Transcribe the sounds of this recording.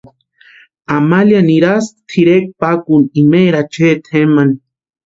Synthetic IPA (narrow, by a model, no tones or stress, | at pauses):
amaljaniɾast̪ʰiɾek̚pakunimeɾat͡ʃeːt̪ʰemani